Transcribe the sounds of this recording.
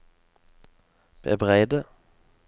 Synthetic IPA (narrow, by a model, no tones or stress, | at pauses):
b̥ḛbʁæɪd̪ə